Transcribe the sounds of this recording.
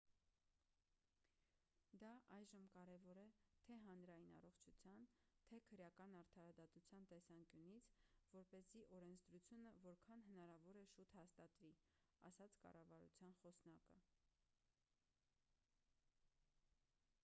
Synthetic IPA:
d̪ɑʔɑjʒəmkɑɾɛvɔɾɛt̪ʰɛɦɑnɾɑjinɑ̰rɔχt͡ʃʰut͡sʰjɑnt̪ʰɛkʰəɾjɑkɑnɑɾt̪ʰɑɾɑd̪ɑt̪ut͡sʰjɑnt̪ɛsɑŋkjunit͡sʰvɔɾpɛziʔɔɾɛnt͡sʰd̪ɾut͡sʰjunəvɔɾkʰɑnɦənɑɾɑvɔɾɛʃut̪hɑst̪ɑt̪vi | ɑ̰sɑt͡sʰkɑ̰rɑvɑɾṵt͡sʰjɑnχɔsnɑkə

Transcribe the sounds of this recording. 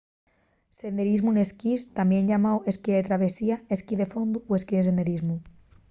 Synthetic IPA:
send̪eɾizmuneskiɾt̪ambjẽnʎamaweskiðet̪ɾaβesiaeskiðefond̪uweskiðesend̪eɾizmu

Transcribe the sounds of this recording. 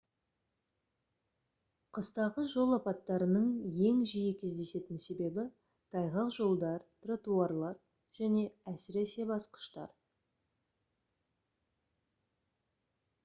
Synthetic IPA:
qʰəst̪ɑʁəʒo̞lˠɑpɑt̪ːɑɾənəɴje̞ŋʒijɪkʲʰe̞zd̪e̞se̞t̪ɪnse̞be̞bɪ | t̪ʰɑjʁɑqʒo̞lˠd̪ɑɾt̪ʰrat̪uɑrlˠɑɾ | ʒ̥æne̞æsɪɾe̞se̞bɑsqə̥ʃt̪ɑ̰ɾ

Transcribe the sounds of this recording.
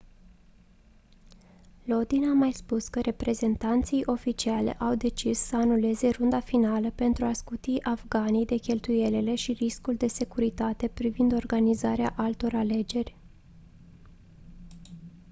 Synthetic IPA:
lo̞d̪inamajspuskəɾe̞pɾe̞ze̞nt̪ant̪sijʔo̞fit͡ʃialḛʔawd̪e̞t͡ʃissəanule̞ze̞rund̪afinaləpe̞nt̪ɾuaskut̪iʔavɡanijd̪e̞kʲe̞lt̪uje̞lele̞ʃiriskuld̪e̞se̞kuɾit̪at̪e̞pɾivind̪o̞rɡanizaɾeaʔalt̪o̞ɾale̞d͡ʒe̞rʲ

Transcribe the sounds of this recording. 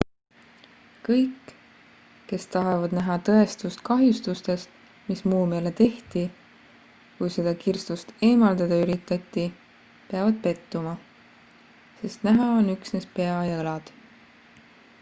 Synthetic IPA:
kɤ̞jkː | e̞st̪ɑɦevɑd̪̥næɦɑt̪ɤ̞e̞st̪ust̪kɑɦjust̪ust̪e̞st̪ | mismuːme̞ːle̞t̪e̞ht̪i | kujse̞d̪̥ɑkirst̪ust̪e̞ːmɑld̪̥ɑd̪̥ɑyɾit̪ːˑɑt̪ʲˑːi | pe̞ɑvɑd̪̥̚pe̞t̪ːumɑ | se̞st̪næɦɑo̞nyksnespe̞ɑjɑelɑd̪̥

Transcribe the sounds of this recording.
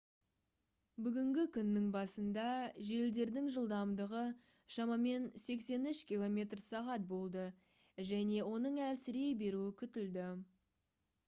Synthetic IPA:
bʏɡʲɪŋɡʲɪkʲʰʏnːɪŋbɑsənd̪ɑʒe̞ld̪e̞ɾd̪ɪŋʒəlˠd̪ɑmd̪əʁə | ʃɑmɑme̞nse̞kse̞nʏʃkʲilˠo̞mʲe̞t̪rsɑʁɑt̪̚bo̞lˠd̪ə | ʒæne̞wo̞nəɴæɾsɪɾejbe̞ɾuɪkʲʰʏt̪ɪld̪ɪ

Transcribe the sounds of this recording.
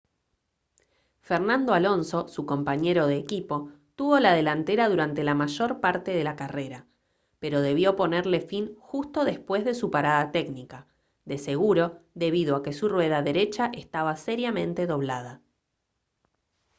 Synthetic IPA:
feɾnãnd̪oalo̞nso̞suko̞mpaɲe̞ɾo̞ðeːkipo̞t̪uβo̞lað̞e̞lant̪eɾaðuɾant̪e̞lamaʒo̞ɾpaɾt̪eðe̞lakare̞ɾa | pe̞ɾo̞ð̞e̞β̞jo̞po̞neɾle̞finxust̪o̞ðe̞spwe̞zðe̞supaɾaðat̪eknika | ðe̞se̞ɣuɾo̞ðe̞βiðoake̞surwe̞ðaðe̞ɾe̞t͡ʃaʔe̞st̪aβase̞ɾjamẽ̞nt̪e̞ðo̞β̞lað̞a

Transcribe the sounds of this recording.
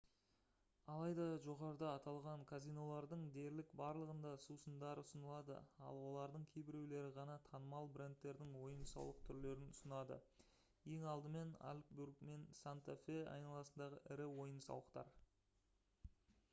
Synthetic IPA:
ɑlˠɑjd̪ɑʒo̞ʁɑɾəd̪ɑːt̪ɑlˠʁɑŋkʰazijno̞lˠɑɾd̪əɴd̪e̞ɾlɪkbɑɾlˠəʁənd̪ɑsusənd̪ɑɾʊsənəlˠɑd̪ə̰ɑ̰lˠwo̞lˠɑɾd̪əɴkʲʰe̞jbɪɾewle̞ɾɪʁɑnɑt̪ʰɑnəmɑlˠbɾent̪ːe̞ɾd̪ɪŋwo̞jənsɑ̰wlˠəqt̪ʰʏɾle̞ɾɪnʊsənɑd̪ə̰ | je̞ŋɑlˠd̪əme̞na̰lʲkburkme̞nsant̪afe̞ɑ̰jnɑlˠɑsənd̪ɑʁəʔɪɾɪwo̞jənsɑ̰w̪ˠəqt̪ɑ̰ɾ

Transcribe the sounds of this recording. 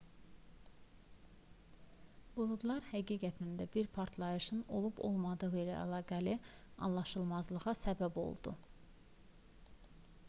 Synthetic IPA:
bulˠud̪lˠɑɾhæɡiːɡæt̪ʰind̪æbiɾpʰɑɾt̪ʰlˠɑjɯʃɯno̞̰lˠubo̞̰lˠmɑd̪ɯʁɯilæ̰æ̰lˠɑːɡæliɑ̰nlˠɑʃɯlˠmɑzlˠɯʁɑsæbæbo̰lˠd̪ṵ

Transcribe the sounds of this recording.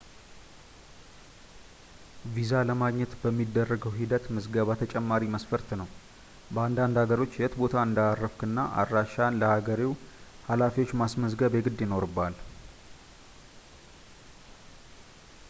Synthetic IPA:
vizaləmaɡɲːɛt̪bəmːid̪ːərːəɡəwɦid̪ət̪mɨzɡəβat̪ʰət͡ʃʼɛmːaɾiməsfəɾt̪nəw | bəand̪and̪haɡəɾo̞t͡ʃːjɛt̪bo̞t̪ʰaɨnd̪arːəfkʰɨnːaʔa̰ɾːaʃanləhaɡəɾiw | halafiwo̞t͡ʃːmasməsɡəβjɛɡɨd̪jɪno̞ɾɨbːal

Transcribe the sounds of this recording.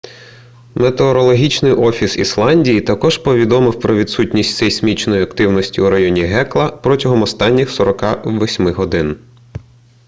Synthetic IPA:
met̪eɔɾɔlˠɔɦʲit͡ʃnɪjʔɔfʲisislˠɑnʲdʲijit̪ɐkɔʒpɔʋʲid̪ɔmɪwpɾɔʋʲid̪sutʲnʲisʲtʲsɛsʲmʲit͡ʃnɔjiɐkt̪ɪwnɔsʲtʲiuɾɐjɔnʲiɦɛklˠɐpɾɔtʲɐɦɔmɔst̪ɑnʲːixsɔɾɔkɑʋɔsʲmɪɦɔd̪ɪn

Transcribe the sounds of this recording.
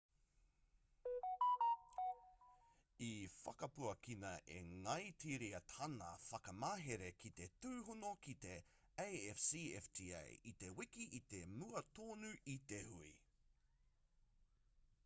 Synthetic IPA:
ifɐ̰kɐpuɐkʰinɐʔḛŋɐjt̪ʰiɾiɐt̪ɐnɐ̰fɐkɐmaːɦeɾekʰit̪etuːɦunokit̪e̞ | ejɛfsiːɛftʰiːḛjit̪e̞wikiʔit̪e̞muɐt̪oːnʉʔit̪ehui

